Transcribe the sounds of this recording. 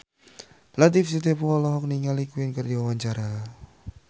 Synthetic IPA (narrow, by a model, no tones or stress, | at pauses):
lat̪ifsit̪̬epuɔlɔɦɔk̚niŋalikuɪnkɨrdiwawaɲt͡ʃaɾa